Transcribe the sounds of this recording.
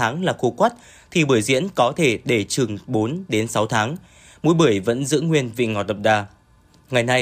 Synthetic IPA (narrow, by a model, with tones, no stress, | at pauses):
aː˨˦ŋlaː˨˩xu˧˩kwa˦˥t̚ | t̪ʰi˨˩ɓɨ˧˩jzḭ˧˥ənkɔ˨˦t̪ʰe˧˩ɗe˧˩t͡ɕɨ˨˩ŋɓo˨˦nɗe˨˦nsa˨˦wt̪ʰaː˨˦ŋ | mṵ˧˦jɓɨ˧˩əjvə̰˧˥nzɨ̰˧˥ŋːwi˧ənvḭ˧˨ŋɔ˨˩t̪ə˨˩p̚ɗaː˧˩ | ŋa˨˩jna˧j